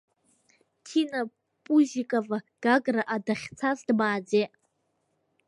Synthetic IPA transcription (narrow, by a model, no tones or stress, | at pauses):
tʰina | pʼuʒikʼava | ɡ̥aɡraʔadaχʲt͡sʰazdbaːd͡zeʔ